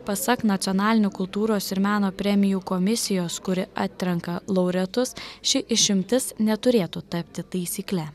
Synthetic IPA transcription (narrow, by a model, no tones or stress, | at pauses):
pɐsɐknɐt̪sʲɔːnɑːlʲɪnʲʊkʊlˠt̪uːɾoːsɪɾmʲæːnoːpʲɾʲɛmʲɪjuːkomʲɪsʲɪjoːskʊɾʲɪʔɑ̰ːt̪ʲt̪ʲɾʲɛŋkɐlˠɔʊɾʲɛt̪ʊsʃʲɪʔɪʃʲɪmʲt̪ʲɪsnʲɛt̪ʊɾʲeːt̪uːt̪ɐpʲt̪ʲɪt̪ɐɪsʲiːklʲɛ